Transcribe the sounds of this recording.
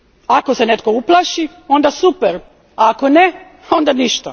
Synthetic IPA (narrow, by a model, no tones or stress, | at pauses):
ako̞se̞net̪ko̞uplˠaʃi | o̞nd̪asupeɾ | aːko̞ne | o̞nd̪aniʃt̪a